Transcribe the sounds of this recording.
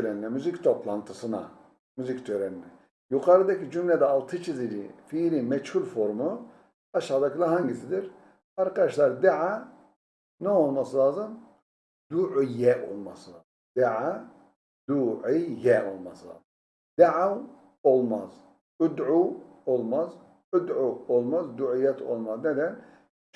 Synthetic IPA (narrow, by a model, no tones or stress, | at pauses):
øɾɛninɛmyzict̪ʰo̞pʰlˠant̪ʰɯsɯna̰ | myzict̪ʰøɾɛninɛ | juqʰaɾɯd̪acid͡ʒymlʲɛd̪ɛɑlˠt̪ʰɯt͡ʃʰizilifiɾimɛt͡ʃhulʲfo̞ɾmu | ɑʃad̪akʰilˠaɾɦaɲɟisid̪iɾ | aɾqaʃlˠaɾd̪aʕa | nɛo̞lˠmasɯlˠaːzɯm | d̪uʕjːɛʔo̰lˠmɑslɑː | d̪̥aʕa | d̪̥uʕijɛo̰lˠmɑ̰slɑ̰ːz | d̪̥aʕaw | olˠmaz | ud̪ʕuolˠmaz | ud̪ʕuolˠmazd̪uʕijɛt̪ʰo̰lˠmaznɛd̪ɛn